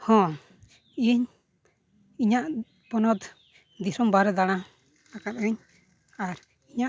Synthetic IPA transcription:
hɔ̃ | iɲ | iɲaʔ | pɔnɔt̪ | d̪isɔmbaɾɛd̪aɽ̃ã | akat̪̚əɲ | aɾ | iɲa

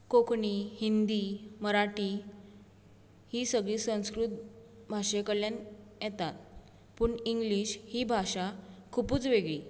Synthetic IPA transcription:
kokʰɳihind̪iməɾaʈi | hiːsəɡɭiːsə̃w̃skɾut̪̚ | bʱaʂekəɽljan | jɛt̪at̪̚ | puːɳiŋɡliɕhiːbʱaʂakʰupuːt͡sʋeɡɭiː

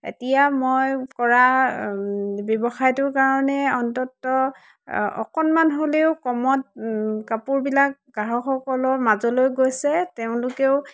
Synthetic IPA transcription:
ḛtijamojkɔɹa | bjɔbɔxajtʊɹkaɹɔnɛɔntɔtːɔ | ɔ̰kɔnmanɦoleʊkɔmɔt̚kapuɹbilak̚ɡaɦɔxɔkɔlɔɹmazɔlojɡojsɛteʊ̃lʊkeʊ

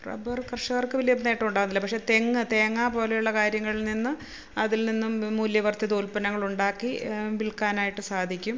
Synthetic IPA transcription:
prɐ̰bɐrkrʂɐɣɐrkɨʋiljɐbnːejʈːɐuɳɖaːɣɨnilːɐpɐkʂe̞ːt̪e̞ŋːɨt̪e̞ːŋːaːpo̞ːlejuɭːɐkaːɾjɐŋːɐɭilninːɨ | ɐðilninːumːuːljɐʋɐrt̪jɐt̪oːlpɐnɐŋːɐɭuɳɖaːkːiʋiɭkaːnaːjiʈːɨsaːd̪ʱikʲːum

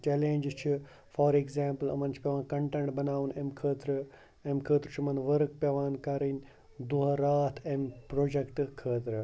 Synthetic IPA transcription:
t͡ʃɛːlẽːnd͡ʒt͡ʃʰi | fɔːɾekzaːmpəlɐ̰mɐnt͡ʃʰi̥pʲeʋãːnkɐɳʈɐɳʈbɐnaːʋunemkʰəːt̪ɾɨ | emkʰəːt̪ɾɨt͡ʃʰimɐnʋɐɾk̚pʲeʋaːnkɐɾinʲ | d̪uɦɐɾaːt̪ʰempɾoːd͡ʒɐkʈɨkʰəːt̪ɾɨ

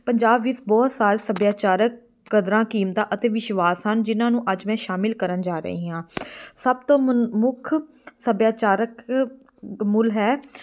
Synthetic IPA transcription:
pəɲd͡ʒaːbʋɪsbɔːt̪saːɾesəbjaːt͡ʃaːɾəkː | əd̪ɾãːkiːmt̪ãːʔət̪eːʋɪʃʋaːsɦənd͡ʒɪnãːnũːʔəd͡ʒmɛ̃ːʃaːmɪlkəɾənd͡ʒaːɾə̰ɦiːɦãːsəb̚t̪õːmʊkʰ | səbjaːt͡ʃaːɾək | mʊlɦɛː

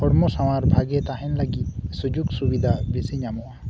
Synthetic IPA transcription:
hɔɽmɔsaw̃aɾbʱaɡɛt̪aɦɛnləɡit̪̚sud͡ʒuɡsubid̪ʱabisiɲamuwa

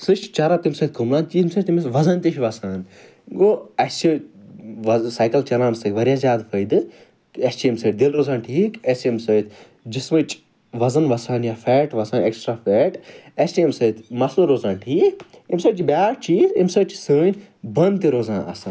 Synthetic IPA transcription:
sɨt͡ʃt͡ʃɐɾat̪imsəːt̪̚kʰɐmlaːnt̪imsəːt͡ʃt̪imʲsʋɐzɐnt̪iʃʋɐsaːn | ɡoːɐst͡ʃʰi | ʋɐsaːjkɐlt͡ʃɐlãːmsɐjkʋɐɾʲjaːzʲjaːd̪fʰəjd̪ɨ | ɐst͡ʃiimsɐːʈ̚d̪ilɾoːzaːnʈʰiːkɐsimsɐːjt̪ʰ | d͡ʒismɐt͡ʃ | ʋɐzɐnʋɐsaːnjafɛːʈʋɐsaːneksʈɾaːfɛːʈɐst͡ʃiimsɐːt̪ʰmɐsluɾoːzãːnʈʰiːkimsəːt͡ʃibʲjaːʈ̚t͡ʃʰiːtimsəːt͡ʃisəːnʲbɐnd̪t̪iɾoːzãːnʔɐ̰saːn

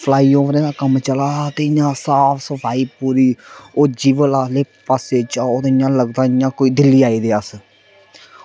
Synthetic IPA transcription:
pʰlaːiːõːʋɾẽːaːkəmt͡ʃəlaːt̪eːɪjãːsaːfʰsəpʰaːiːpuːɾiːoːd͡ʒiːʋəlaːleːppaːseːt͡ʃaːoːd̪ɪjãːləɡd̪ãːɪjãːkoːiːd̪ɪlːiːaːiːd̪eːəs

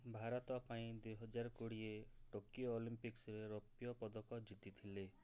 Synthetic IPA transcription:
bʱaɾɔt̪ɔpaĩd̪wejɦɔd͡ʒaɾɔkoɽieʈokioːlimpiksɾeɾopjɔpɔd̪ɔkɔd͡ʒit̪it̪ʰile

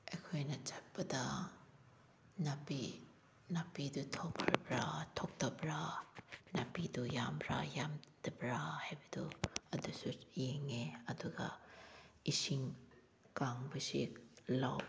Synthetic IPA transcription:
ekʰojnɐt͡ʃat̚pɐd̪a | napi | napid̪ut̪ʰɔkʰːaɾbɾatʰɔk̚tɐbɾa | napidujambɾa̰jamd̪ɐbɾahajbɐd̪uɐdusujeŋeɐd̪uɡa̰ | isiŋ | kaŋbisilaw

